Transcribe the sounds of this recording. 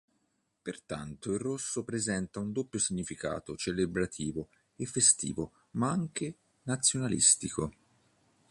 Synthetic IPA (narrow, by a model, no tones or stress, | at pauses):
pert̪a̰nt̪oirːosːopɾezɛnt̪aund̪opːjosiɲːifika̰ːt̪ot͡ʃelebɾat̪ʰiːvo | efːest̪ḭːvo | maaŋke | nat̪sːjonalḭst̪ikʰo